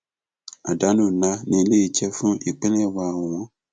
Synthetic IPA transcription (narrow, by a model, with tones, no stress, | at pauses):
a̰˨da˨˦nũ˨nã˦nĩ˨le˦i˨t͡ʃɛ˦fʊ̃˦i˨k͡pɛ˦nɛ˦ɛ˦waː˨wʊ˨wɔ̃˦